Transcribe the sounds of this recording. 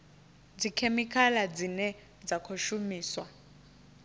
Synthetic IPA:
d͡zikʰemikʰalad͡zinɛ | d͡zakʰoʃumiːswa

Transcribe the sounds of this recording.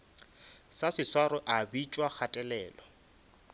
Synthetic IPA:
sasɪswaɾɔʔabit͡ʃʼwak͡xʰatʼɛlɛːlɔ

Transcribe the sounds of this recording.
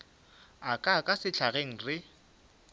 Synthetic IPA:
akʼakʼasɪt͡ɬʰaɣeŋ̩rɪ

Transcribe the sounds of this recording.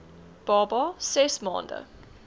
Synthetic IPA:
b̥ɑːbɑsɛsmɔ̰̃ːndə̰

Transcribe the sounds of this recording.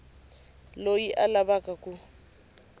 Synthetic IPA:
lojiʔalabakʼakʼʊ

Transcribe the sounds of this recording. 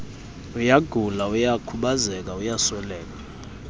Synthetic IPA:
ujaɡ̥ʱulaujakʰuɓazɛk̬aujaswɛlɛːk̬ʼa

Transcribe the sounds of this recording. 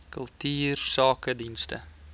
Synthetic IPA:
kɵlˠtyːrsɑːkədinstə̰

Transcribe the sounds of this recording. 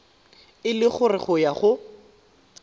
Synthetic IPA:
ɪlɪχʊrɪχʊjaχʊ

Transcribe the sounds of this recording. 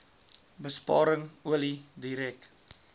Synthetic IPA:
bəspɑ̰ːɾəŋuəlidiɾɛk

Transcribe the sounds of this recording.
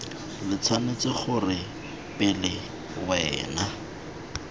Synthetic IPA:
lɪt͡sʰanet͡sɪχʊrɪ | pʼɪlɪ | wɛːna

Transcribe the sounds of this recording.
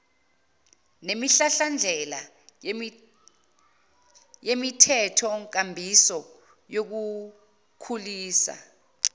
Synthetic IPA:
nemiɬaɬand͡ɮʱɛla | jemitʰɛtʰɔŋk̬ambʱisɔ | jok̬u | kʰuliːsa̰

